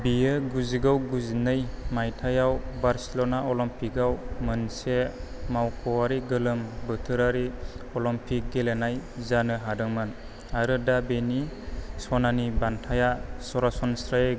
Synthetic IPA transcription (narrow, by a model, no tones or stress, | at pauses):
bijɯɡuziɡawɡuzinɯjmajtʰajawbaɾselɔnaɔlɔmpʰikawmɯnsemawkʰɔwaɾiɡɯlɯmbɯtʰɯɾaɾiɔlɔmpʰik̚ɡelenajzanɯɦadɯŋmɯn | aɾɯdabenisɔnanibantʰajasɔɾasɔnsɾaje